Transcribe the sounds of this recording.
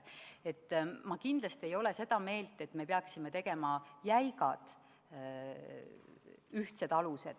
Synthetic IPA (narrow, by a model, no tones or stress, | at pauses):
e̞t̪ːmɑkind̪lɑst̪iejo̞le̞se̞d̪̥ɑme̞ːlt̪ːˑe̞t̪ːˑme̞peɑksime̞t̪e̞ɡ̥e̞mɑjæjɡɑ̰d̪̥ | yht̪se̞d̪̥ɑluse̞d̪̥